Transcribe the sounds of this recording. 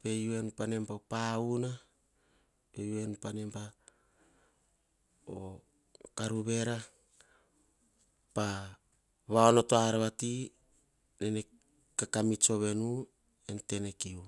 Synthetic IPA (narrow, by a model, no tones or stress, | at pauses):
pe̞jue̞nupanempaopauna | pe̞juenupanempa | o | kaɾuβe̞ɾa | pa | βaono̞toaɾeβati | nene | kakamit͡ʃo̞βe̞nu | ente̞nekiu